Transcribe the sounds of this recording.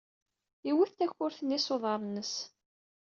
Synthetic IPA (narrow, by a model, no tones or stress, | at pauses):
iwiθt̪æçʊɾθənːisoðˤɑɾˤnəs